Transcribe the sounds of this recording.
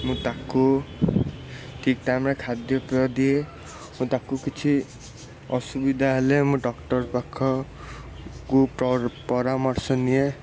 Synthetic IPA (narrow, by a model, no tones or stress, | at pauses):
mũt̪aku | ʈʰikʈamɾekʰad̪jɔpiɔd̪ie | mũt̪akukit͡ʃʰi | ɔsubid̪ʱaɦelemũɖɔkʈɔɾpakʰɔ | kuppɔɾamɔɾsɔnie